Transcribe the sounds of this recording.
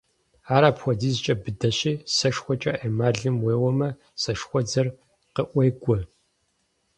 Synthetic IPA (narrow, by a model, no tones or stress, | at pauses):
aːɾaːpxʷɔdiːzt͡ʃʼɐbɨdɐɕiːsɐʂxʷɔt͡ʃʼɐʔemaːɮɨmweːwɐmɐ | sɐʂxʷɔd͡zɐr | qəʔʷɔjɡʷʼɔ